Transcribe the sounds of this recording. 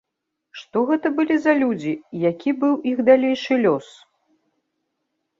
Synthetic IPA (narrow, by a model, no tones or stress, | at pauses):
ʂt̪ɔɣɛt̪ɐbɨlʲizɐlʲud͡zʲijakʲibɨwixd̪alʲejʂɨlʲɔs